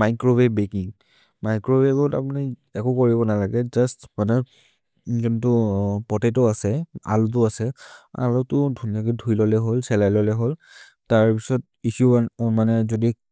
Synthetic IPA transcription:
majkɹobebekiŋ | majkɹobeɡɔta̰puni | ɛkʊkoɹibɔnalaɡɛzastmanɛ | zuntʊpɔtetɔasɛa̰lut̬ʊasɛa̰lɔtʊdʱunakidʱujlɔlɛɦolsɛlajlɔlɛɦol | taɹpisɔt̚ | isumanɛzodi

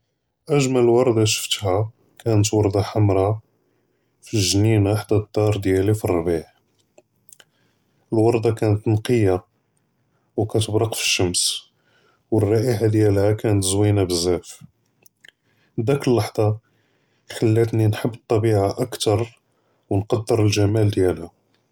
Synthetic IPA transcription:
ʔæʒmællwɑɾˤd̪ɑʃə̥ft̪hæ | kænət̪wɑɾˤd̪ˤɑħamɾˤɑ | fiʒninaħd̪æd̪ːɑɾˤd̪jælifirˤːbiħ | əlwɑɾˤd̪ɑkænət̪nqəja | wkæt̪əbɾɑqfi̥ʃːəms | wərˤːɑʔiħad̪jælhækænət̪zwinabəzːæf | d̪ækəlːɑħd̪ˤɑ | ħəlːæt̪ninħəbːət̪ˤːɑbiʕaʔəkt̪ɑɾˤ | wnqɑd̪ːəɾəlʒæmæld̪jælhæ

